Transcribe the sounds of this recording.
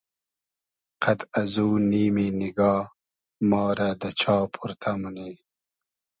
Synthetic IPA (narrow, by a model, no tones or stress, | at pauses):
qɐd̪ɐzuːniːminiɡɑː | mɑːɾad̪ɐt͡ɕʰɑːpʰuɾt̪ʰamɐne